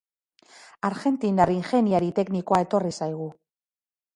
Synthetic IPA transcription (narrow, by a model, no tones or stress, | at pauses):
aɾɣe̞nt̪inariŋxe̞niaɾit̪e̞kniko̞ae̞t̪o̞risajɣ̞u